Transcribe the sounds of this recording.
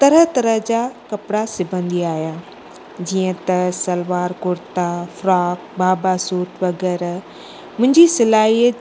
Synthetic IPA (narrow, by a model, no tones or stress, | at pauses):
t̪ɐɾət̪ɐɾəɦd͡ʑaːkɐpɪɽasɪbʱə̃nd̪iaːɦjaː | d͡ʑiːə̃t̪ɐsɐlʋaːɾkʊɾt̪afɾaːkbʱaːbasuːʈʋɐɡɛːɾ | mʊ̃ɦɪ̃ɲd͡ʑisɪlaːɦi